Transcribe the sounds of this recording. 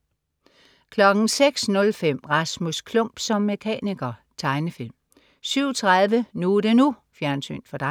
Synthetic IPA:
kʰlɒ̽ɡ̥n̩seɡ̥snɔ̽lfem̰ʁɑ̈smuskʰlɔ̽m̰b̥sɒ̽mːe̝kʰɛ̰ːniɡ̥ɐt͡sʰɑ̈ɪnəfil̰m | syʊ̰t͡sʰʁaðˠʋənud̥e̝nu | fjæɐnsy̰ːnd̥fɒd̥ɑ̈ɪ

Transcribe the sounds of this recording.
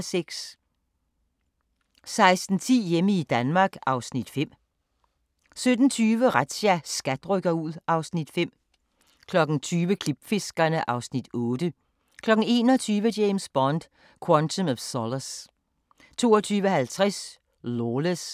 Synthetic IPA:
seɡ̥s | sɑ̈ɪsd̥n̩t͡sʰḭːjeməid̥ænmɑ̈ːɡ̥ɑ̈ʊsnid̥fem̰ | sød̥n̩t͡sʰyːʋəʁad̥ɕæsɡ̥æd̥ʁœɡ̥ɐuð̰ˠʔɑ̈ʊsnid̥fem̰ | kʰlɒ̽ɡ̥n̩t͡sʰyːʋəkʰlib̥fe̝sɡ̥ɐnəʔɑ̈ʊsnid̥ɔ̽ːd̥ə | kʰlɒ̽ɡ̥n̩e̝ːnɒt͡sʰyːʋədeɪmsb̥ɒnd̥ | kʰwɑnt͡sʰomɒfsɒləs | t͡sʰo̝ːɐt͡sʰyːʋəhælt͡sʰʁɛs | loːləs

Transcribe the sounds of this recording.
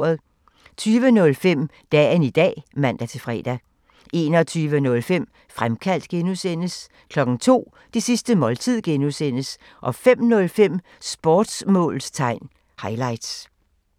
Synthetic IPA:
ɐðˠ | t͡sʰyːʋənɔ̽lfem̰ | d̥ɛ̰ːnid̥ɛ̰ːmæn̰d̥æt͡sʰe̝fʁɛ̰ːd̥æ | e̝nɒ̽t͡sʰyːʋənɔ̽lfem̰ | fʁamkʰæl̰d̥ɡ̥enusen̰əs | kʰlɒ̽ɡ̥n̩t͡sʰo̝̰ː | d̥isisd̥əmɒ̽lt͡sʰið̰ˠɡ̥enusen̰əs | ʔɒ̽fem̰nɔ̽lfem̰ | sb̥ɒːd̥smɔ̰̽ːlst͡sʰɑ̈ɪ̰n | hɑ̈ɪlɑ̈ɪd̥s

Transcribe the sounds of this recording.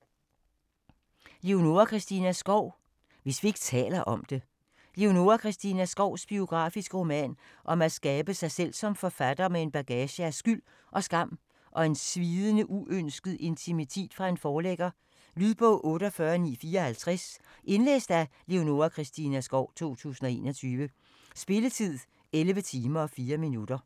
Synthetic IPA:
le̝o̝no̝ɐkʰʁɛsd̥inæsɡ̥ɒʊ̰ | ʋe̝sʋie̝ɡ̥ə̥t͡sʰɛ̰ːlɐʔɒ̽md̥e̝ | le̝o̝no̝ɐkʰʁɛsd̥inæsɡ̥ɒʊ̰sb̥io̝ɡ̥ʁɑ̈ːfisɡ̥əʁo̝mɛ̰n | ʔɒ̽mæsɡ̥ɛːb̥əsɑ̈ɪsel̰sɒ̽mfɒ̽fæd̥ɐmee̝nb̥æɡ̥ɛːɕəæsɡ̥yl̰ | ʔɒ̽sɡ̥ɑ̈m̰ | ʔɒ̽e̝nsʋiːðˠənəʔuʔønsɡ̥əð̞̩ˠe̝nt͡sʰimit͡sʰe̝̰ːd̥fʁɑ̈e̝nfɒːleɡ̥ɐ | lyð̰ˠb̥ɔ̽ʔɔ̽ːɾ̥əɒfɶːɐnḭːfiːɐɒhælt͡sʰʁɛs | ʔe̝nlḛːsd̥æle̝o̝no̝ɐkʰʁɛsd̥inæsɡ̥ɒʊ̰t͡sʰo̝̰ːt͡sʰṵːsn̩ɒe̝̰ːnɒ̽t͡sʰyːʋə | sb̥e̝lət͡sʰið̰ˠ | elʋət͡sʰiːmɐɒ̽fiːɐminud̥ɐ

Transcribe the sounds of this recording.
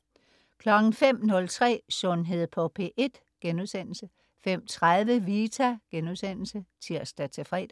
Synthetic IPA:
kʰlɒ̽ɡ̥n̩fem̰nɔ̽lt͡sʰʁɛ̰ːsɔnɦe̝ð̞̰ˠpʰɒ̽pʰe̝̰ːʔe̝d̥ | ɡ̥enuðˠsen̰l̩sə | fem̰t͡sʰʁaðˠʋəʋit͡sʰæɡ̥enuðˠsen̰l̩sət͡sʰiɐsd̥æt͡sʰe̝fʁɛ̰ːd̥

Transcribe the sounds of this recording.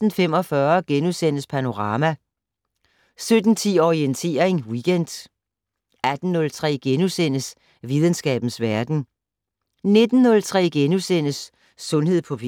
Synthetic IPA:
n̩fem̰ɒ̽fɶɐɡ̥enusen̰əspʰæno̝ʁɑ̈ːmæ | sød̥n̩t͡sʰḭːɒient͡sʰe̝ːɐeŋwiɡ̥en̰d̥ | æd̥n̩ːɔ̽lt͡sʰʁɛ̰ːɡ̥enusen̰əs | ʋið̞ˠənsɡ̥ɛ̰ːb̥n̩sʋæɐd̥n̩ | ne̝d̥n̩ːɔ̽lt͡sʰʁɛ̰ːɡ̥enusen̰əsː | ɔ̽nhe̝ð̰ˠpʰɒ̽f

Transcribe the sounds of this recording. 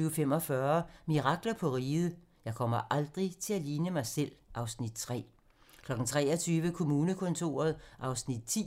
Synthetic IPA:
yfem̰ɒ̽fɶːɐmiʁɑ̈ɡ̥lɐpʰɒ̽ʁiːð̩ˠ | jɑ̈ɪkʰɒ̽m̰ɐʔɑld̥ʁit͡sʰe̝æliːnəmɑ̈ɪsel̰ʔɑ̈ʊsnid̥t͡sʰʁɛ̰ː | kʰlɒ̽ɡ̥n̩t͡sʰʁɛ̰ːɐt͡sʰyːʋəkʰo̝muːnəkʰɔ̽nt͡sʰo̝̰ːɐð̞̩ˠʔɑ̈ʊsnid̥̚t͡sʰḭ

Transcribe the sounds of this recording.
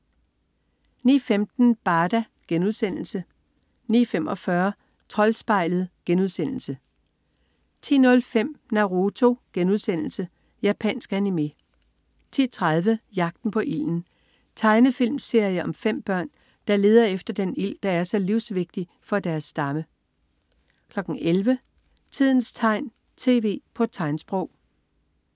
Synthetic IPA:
nḭːfemd̥n̩b̥ɑ̈ːd̥æ | ɡ̥enuðˠsen̰l̩sə | nḭːfem̰ʔɒ̽fɶɐ | t͡sʰʁɒ̽lsb̥ɑ̈ɪ̰lð̞̩ˠɡ̥enuð̞ˠsen̰l̩sə | t͡sʰḭːnɔ̽lfem̰nɑʁo̝t͡sʰo̝ɡ̥enuðˠsen̰l̩sə | jæpʰænsɡ̥ænime̝ | t͡sʰḭt͡sʰʁað̞ˠʋəjɑ̈ɡ̥̚d̥n̩pʰɒ̽ʔil̰n̩ | t͡sʰɑ̈ɪnəfil̰mse̝ɐ̰jəʔɒ̽mfem̰b̥ɶɐ̰n | d̥ɑ̈le̝ːð̞ˠɐefd̥ɐd̥enil̰d̥ɑ̈æɐsɒ̽liʊsʋe̝ɡ̥̚d̥i | fɒ̽d̥æɐsːd̥ɑ̈mə | kʰlɒ̽ɡ̥ŋ̩elʋə | t͡sʰið̞̰ˠn̩st͡sʰɑ̈ɪ̰n | t͡sʰe̝ːʋe̝̰ːpʰɒ̽t͡sʰɑ̈ɪnsb̥ʁɔʊ̰

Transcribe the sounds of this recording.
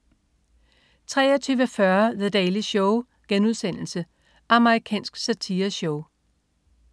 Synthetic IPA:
t͡sʰʁɛ̰ːɒt͡sʰyːʋəfɶɐðed̥ɛːliɕɔʊ | ɡ̥enuð̞ˠsen̰l̩sə | ʔɑ̈məʁikʰɛ̰ːnsɡ̥sæt͡sʰiːɐɕɔʊ

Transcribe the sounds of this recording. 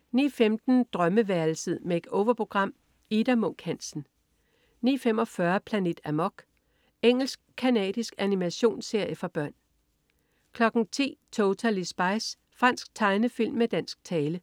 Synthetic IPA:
nḭːfemd̥n̩d̥ʁɶməʋæɐl̩səðˠmee̝d̥oʊʋɐpʰo̝ɡ̥ʁɑ̈m̰ | id̥æmɔ̽ŋ̰ɡ̥hæn̰sn̩ | nḭːfem̰ɒ̽fɶɐpʰlæne̝̰d̥æmɒ̽ɡ̥ | eŋ̰l̩sɡ̥̚kʰːænɛ̰ːd̥isɡ̥ænimæɕo̝̰ːnse̝ɐ̰jəfɑ̈b̥ɶɐ̰n | kʰlɒ̽ɡ̥n̩t͡sʰḭːt͡sʰoʊt͡sʰælisb̥ɑ̈ɪs | fʁɑn̰sɡ̥̚t͡sʰɑ̈ɪnəfil̰mːed̥æn̰sɡ̥̚t͡sʰɛːlə

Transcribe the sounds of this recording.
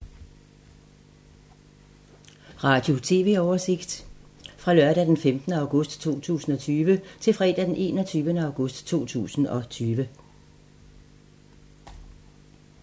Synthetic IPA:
ʁɑ̈d̥jo̝t͡sʰe̝ːʋe̝̰ɒʊɐse̝ɡ̥d̥fʁɑ̈lɶɐd̥æd̥enfemd̥nəɑ̈ʊɡ̥ɔ̽sd̥t͡sʰo̝̰ːt͡sʰṵːsn̩ɒ̽t͡sʰyːʋət͡sʰe̝lfʁɛ̰ːd̥æd̥enʔe̝̰ːnɒt͡sʰyːʋənəɑ̈ʊɡ̥ɔ̽sd̥t͡sʰo̝̰ːt͡sʰṵːsn̩ɒ̽t͡sʰyːʋə

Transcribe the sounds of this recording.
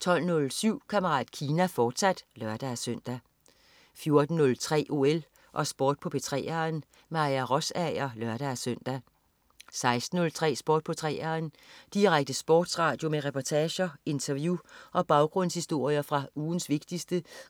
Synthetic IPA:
t͡sʰɒ̽l̰nɔ̽lsyʊ̰kʰæmɐʁɑ̰̈ːd̥kʰiːnæfɒːd̥sæd̥lɶɐd̥ææsøn̰d̥æ | fjo̝ɐd̥n̩ːɔ̽lt͡sʰʁɛ̰ːʔo̝el | ʔɒ̽sb̥oːd̥̚pʰɒ̽b̥e̝t͡sʰʁɛ̰ːɐːn | mɑ̈iæʁɔsæɪɐlɶɐɾ̥ææsøn̰d̥æ | sɑ̈ɪsd̥n̩ɔ̽lt͡sʰʁɛ̰ːsb̥oːd̥̚pʰɒ̽t͡sʰʁɛ̰ːɐːnd̥iʁaɡ̥̚d̥əsb̥ɔ̰ːd̥sʁɑ̈ːd̥jo̝meʁɛpʰɒt͡sʰɛːɕɐe̝nt͡sʰɐʋjuʔɒ̽b̥ɑ̈ʊɡ̥ʁɔ̽n̰shisd̥o̝ɐ̰jɐfʁɑ̈uːn̩sʋe̝ɡ̥̚d̥isd̥ə

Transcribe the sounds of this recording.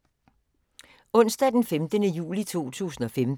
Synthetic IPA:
ɔ̽n̰sd̥ɛd̥enfemd̥ənəjṵːlit͡sʰo̝̰ːt͡sʰṵːsn̩ɒ̽fem

